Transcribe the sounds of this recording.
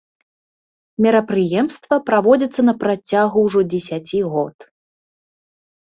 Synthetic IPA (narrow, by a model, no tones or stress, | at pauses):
mʲɛɾɐpɾɨjɛmst̪vɐpɾavɔd͡zʲɐt̪sːɐnɐpɾat͡sʲaɣuwʐɔd͡zʲɛsʲat͡sʲiɣɔt̪